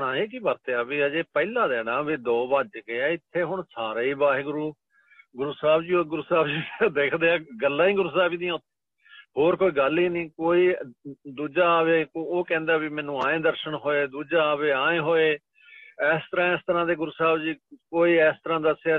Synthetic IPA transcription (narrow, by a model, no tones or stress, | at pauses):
ɽãːeːk̬iːbəɾt̪eːabiːəd͡ʒeːpɛːlãːd̪ɛːɽãːʋeːd̪ɔːbaːd͡ʒkeaːɪt̪ʰːeːɦʊɳsaːɾaːiːbaːɦeːɡʊɾuː | ɡʊɾuːsaːbd͡ʒiːoːɡʊɾuːsaːbd͡ʒiːd̪eːkʰd̪eːãːɡəlːãːĩːɡʊɾuːsaːbiːd̪ĩːãːʊt̪ʰːe̥ː | ɦoːɾkoːiːɡəliːnĩːkoːiːd̪uːd͡ʒaːʋeːoːkɛ̃ːnd̪aːbimɛ̃ːnũːãːẽːd̪əɾʃəɳɦoːeːd̪uːd͡ʒaːaːʋeːãːẽːɦoːeː | ɛːst̪əɾãːɪst̪əɾãːd̪eːɡʊɾuːsaːbd͡ʒiːkoːiːɛːst̪əɾãːd̪əsa